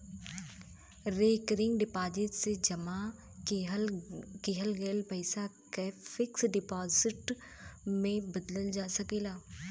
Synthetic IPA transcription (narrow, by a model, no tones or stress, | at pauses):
ɾeːkɾɪ̃ŋɡɖɪpaːzɪʈsed͡ʒɐma | keɦəlɡeːlpɐɪsakefɪksɖɪpaːzɪʈ | mẽbɐd̪ləld͡ʒaːsɐkeːlaː